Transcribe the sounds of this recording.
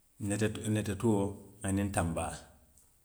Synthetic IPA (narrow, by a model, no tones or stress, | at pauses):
nnetatuanintambaː